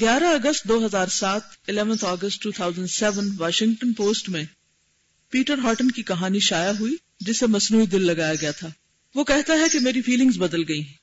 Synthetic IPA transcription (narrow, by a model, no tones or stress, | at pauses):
ɡjaːɾaɐɡəsʈd̪oːɦɐzaːɾsaːt̪ɪlɛːʋənt̪ʰɔːɡəsʈːuːt̪ʰaːʊzə̃ɳɖsɛːʋənʋaːʃɪ̃ŋɡ̚ʈənpoːsʈmẽ | piːʈəɾɦɔːɾʈənkikɐɦaːniʃaːjaɦui | d͡ʒɪsemɐsnuːid̪ɪlːɐɡaːjaɡɐjat̪ʰaː | ʋokɛɦt̪aɦɛkemeːɾifʰiːlɪ̃ŋɡzbɐd̪əlɡɐĩː